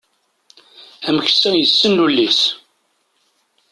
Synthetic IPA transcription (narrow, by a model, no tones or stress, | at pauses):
æmçə̥sːæjəsːənlulːis